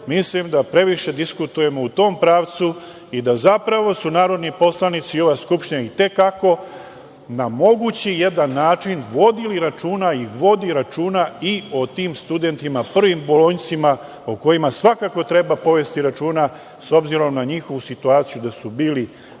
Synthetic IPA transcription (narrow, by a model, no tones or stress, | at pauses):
mislimd̪apɾe̞ʋiʃe̞d̪iskut̪uje̞mo̞ut̪o̞ːmpɾaːʋt̪su | id̪azapɾaʋo̞sunaːɾo̞d̪nipo̞slˠanit̪sio̞ʋaskupʃt̪iɲait̪e̞kako̞ | namo̞ɡut͡ɕije̞d̪anːaːt͡ʃinʋo̞d̪iliɾat͡ʃuːnaiʋo̞d̪iɾat͡ʃuːnaio̞t̪iːmst̪ud̪e̞nt̪imapr̩ʋimbolont̪sima | oko̞imasʋakako̞t̪ɾe̞bapo̞ʋe̞st̪iɾat͡ʃuːna | so̞bziɾo̞mnaɲixo̞ʋusit̪uaːt̪sijud̪asubiːli